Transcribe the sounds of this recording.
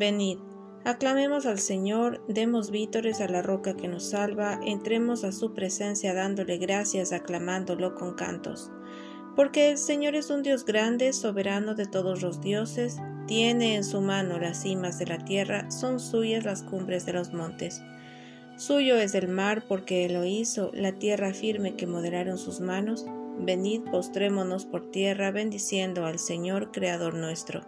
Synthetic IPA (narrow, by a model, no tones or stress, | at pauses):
be̞nið | aklame̞mo̞salse̞ɲo̞ɾd̪e̞mo̞zβit̪o̞ɾe̞salaro̞kake̞no̞sːalβaʔent̪ɾe̞mo̞sasupɾe̞se̞nsjaðand̪o̞le̞ɣɾasjasaklamand̪o̞lo̞ko̞ŋka̰nt̪o̞̰s | po̞ɾke̞ːlse̞ɲo̞ɾe̞sund̪jo̞zɡɾand̪e̞so̞βe̞ɾano̞ðe̞t̪o̞ðo̞zlo̞zðjo̞se̞st̪je̞ne̞ːnsumano̞lasːimazðe̞lat̪je̞raso̞nsuʝazlaskumbɾe̞zðe̞lo̞zmõ̞nt̪e̞sː | uʝo̞e̞zðe̞lmaɾpo̞ɾke̞lo̞iso̞lat̪je̞rafiɾme̞ke̞mo̞ð̞e̞laɾo̞nsuzmano̞sbe̞niðpo̞st̪ɾe̞mo̞no̞spo̞ɾt̪je̞raβe̞nd̪isje̞nd̪o̞alse̞ɲo̞ɾkɾeaðo̞ɾnwe̞st̪ɾo̞̰